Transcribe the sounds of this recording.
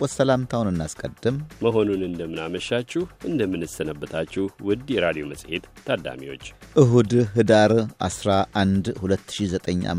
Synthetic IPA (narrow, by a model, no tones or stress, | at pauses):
ɔsəlamt̪ʰawnɨnːaskʼəd̪ːɨmməɦo̞nunɨnd̪əmːɨnaməʃːat͡ʃːɪhʔɨnd̪əmːɨnɨsːənəbːət̪ʰat͡ʃːɪwɨd̪jɛɾad̪ijo̞məsʼhet̪ʰːad̪a̰mḭwo̞t͡ʃːʔɨɦud̪ɦɨd̪aɾʔa̰sɾaʔand̪hulət̪ːɨ̥ʃizət̪ʼəɲːʔa̰